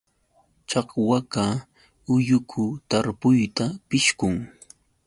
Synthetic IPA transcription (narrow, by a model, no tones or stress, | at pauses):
t͡ʃɑqwaka | ʊjʊkʰʊt̪aɾpʊjt̪apɪʃkʊŋ